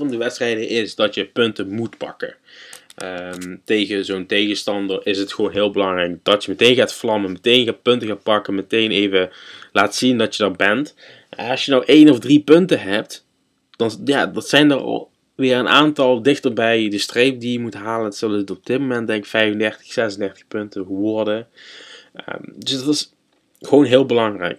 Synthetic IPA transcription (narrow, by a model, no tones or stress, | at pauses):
vɑndəʋɛtstrɛjdəʔɪsdɑtjəpɵntəmutpɑ̰kə̰ʔəmtejɣəzoːntejɣəstɑndərɪsɦətxəʋoːnɦɪːlˠbəlɑŋrɛjk̚d̥ɑtjəmətejnɣaːtflɑməmətejnɣaːt̚pɵntəɣaːt̚pɑkəmətejnejvəlaːtsindɑtjədɑtbɛnt | ɑsjənɔwʔejnɔvdripɵntəɦɛp̚t | d̥ɑnjaːdɑtsɛjndər̰lˠ | ʋɪːɹəna̰ːntɑlˠdɪxtəɹbɛjdəstrejp̚dijəmutɦaːləntsɑlˠtɔb̚d̥ɪt̚momɛntdɛŋkfɛjvəndɛɹtə̥xsɛzəndɛrtə̥xpɵntəɣəʋɔɹdə | ədɵsdɑtɪs | xʋownɦɪːlˠbəlɑŋrɛ̰jk